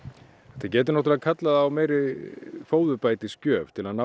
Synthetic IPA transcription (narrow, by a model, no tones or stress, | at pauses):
ɛht̪acɛːt̪ɪɾnɔht̪ʏɪlaðkʰat̪laðːwmeːjɾɪfoːwðʏpajt̪ɪscœːvt̪ʰɪlaðna